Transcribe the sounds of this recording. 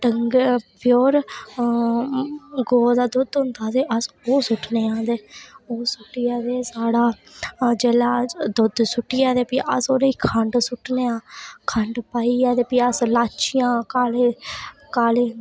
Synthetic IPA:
ʈəŋɡpjoːɾ | ɡoːd̪aːd̪ʊd̪ɦʊ̃nd̪aːd̪eːʔəs | oːsʊʈneːãːd̪eːoːsʊʈːijaːd̪eːsaːɽaːd͡ʒeːlaːd̪ʊd̪sʊʈːiːaːd̪eːpiːʔəsoːɾeiːkʰəɳɖsʊʈneːaːkʰəɳɖpaːiːaːd̪eːpiːəslaːt͡ʃɪjãːkaːleːkaːleː

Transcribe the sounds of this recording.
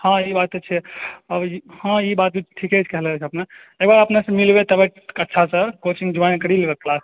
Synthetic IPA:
hãibat̪et͡ʃʰɛəbhãibat̪̚bʱiʈʰiket͡ʃʰkɛɦlɛt͡ʃʰəpna | ek̚baɾəpnasə̃milbet̪əbəʈətːʃʰasə̃kot͡ʃĩŋɡd͡ʒubankəɾilbeklas

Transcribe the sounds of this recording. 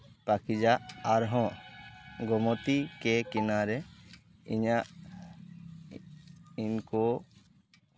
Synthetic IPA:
pakid͡ʒaʔaɾɦɔ̃ | ɡɔmɔt̪ikɛkɛnaɾɛ | ḭɲaʔ | inkɔ

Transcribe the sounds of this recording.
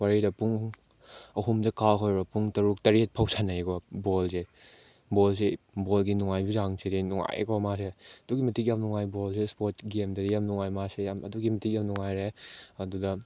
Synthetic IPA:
waɾidɐpuŋ | ɐɦumdɐkaɦʰojbɐpuŋtɐɾuk̚tɐɾet̚pʰawsʰanajkɔbolse | bols̬e | bolɡinuŋajbizaŋsedinuŋa̰j̰kɔmaseɐduɡimɐtik̬̚jamnuŋajbolsespoɾt̚ɡemdɐdijamnuŋajmasejamɐduɡimɐtʰik̚jamnuŋajɾeɐduɡɐ

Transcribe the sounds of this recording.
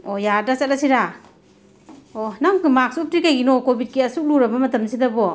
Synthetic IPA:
ojaɾdasalasiɾa | onaŋkɯmak̚sup̚tɾikajɡinɔkobʱit̚kiɐsuk̚luɾɐbɐmɐtɐmsidɐbɔ

